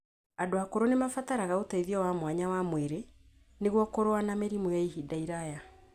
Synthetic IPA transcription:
adoakoɾonemafataɾaɣaotaiðjɔwamwaɲawamweɾe | neɣwɔkoɾoanameɾimojaiɦidaiɾaja

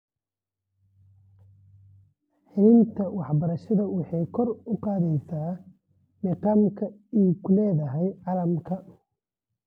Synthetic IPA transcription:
ħɪlɪnt̪ʰɐwɑħbɐɾɐʃɐðɐwɑħɑjkʰɔrʊqɑːðɛjsaː | mɪqɑːmkʰɐiːkʰʊlɛːðɐɦɛjʕɑlɐmkʰɐ

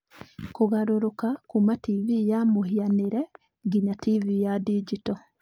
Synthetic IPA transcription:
kuɣaɾuɾukakumativijamuhianiɾe | ɡiɲativijadid͡ʒito

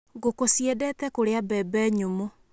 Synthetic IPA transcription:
ɡokosiɛdɛtɛkoɾeabɛbɛɲomo

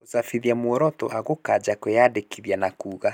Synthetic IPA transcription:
osafiðiamwɔɾɔtɔ̰ʔaɣokad͡ʒakwejadekʰiðjanakuːɣa

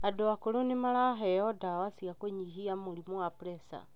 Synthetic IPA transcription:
adoakoɾonemalaɦɛɔdawasiakoɲiɦiamoɾimwapɾɛsa̰

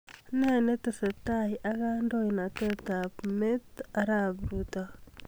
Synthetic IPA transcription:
nenet̪isetaiʔakandoinatetapmet̪aɾabɾuta

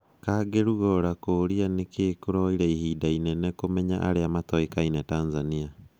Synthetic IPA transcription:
kaɡeɾuɣɔɾakoːɾianekeːkuɾɔiɾaihiːdainɛnekomɛɲaʔa̰ɾeamatɔikainɛtaːnzania

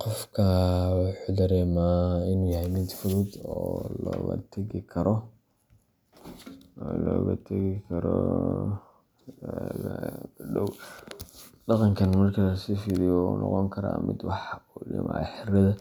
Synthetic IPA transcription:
qɔfkʰɐwɑħuːd̪ɐɾɛːmaːɪnuːjɐɦɛjmɪd̪fʊðʊd̪ɔːlɔːɣɐ̰t̪ʰɐɣɪkʰɐɾɔ | lɔːɣɐ̰t̪ʰɐɣɪkʰɐɾɔ̰ | ɣɐ̰ɡɐɖɔw | ɖɑqɑŋkʰɐnmɐrkʰɐlɐsiːfiɾɪjunʔɔ̰qɔŋkʰɐɾa̰ːmʔɪ̰d̪wɑħujɪ̰mʔaːħɪrɐðɐ

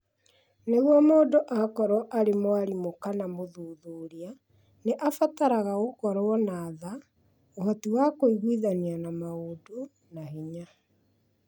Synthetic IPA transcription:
neɣwɔmoːdoʔakɔɾwɔʔaɾemwaɾimokanamoðuðoːɾia | neʔafataɾaɣaɣokɔɾɔnaːða | ohɔtiwakoiɣwiðanianamaodo | nahiɲa

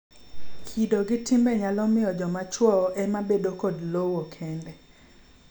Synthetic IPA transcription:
kʰidoɡɪtimbɛɲalɔmɪjɔd͡ʒɔmat͡ʃwɔɔʔɛmabedokodlowokʰɛndɛ

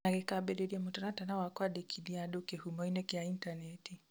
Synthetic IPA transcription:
naɾɛkabɛdɛdiamutɔnatanawakwaɗekʰidiaɗokehumɔinɛkiaintanɛti

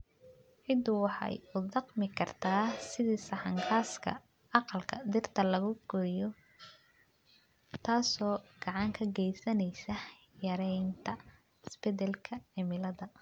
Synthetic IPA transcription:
ʕɪd̪wɑħɑ̰jʊd̪ɑqmɪkʰɐrt̪ʰaːsɪðiːsɐħɑŋkʰaːskʰɐ̰ | ɑqɑlkʰɐd̪ɪrt̪ʰɐlɐɣʊɡ̥ɔːjɔ | t̪ʰaːsɔːɡ̥ɑʕɑŋkʰɐɡɛjsɐnɛjsɐ | jɐɾɛjnt̪ʰɐ | ɪsbɛdɛlkʰɐʕɪmɪlɐðɐ

